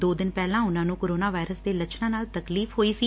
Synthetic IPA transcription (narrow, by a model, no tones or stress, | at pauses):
d̪oːd̪ɪnpɛːlãːʊnãːnũːkoːɾoːnaːʋaːɪɾəsd̪eːlət͡ʃʰnãːnaːlt̪əkliːfʰɦoːiːsiː